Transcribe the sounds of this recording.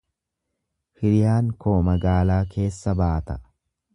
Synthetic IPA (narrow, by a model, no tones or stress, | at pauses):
hɪɾɪjaːŋkʰo̞ːmɐɡaːlaːkʰe̞ːsːɐbaːt̪ɐ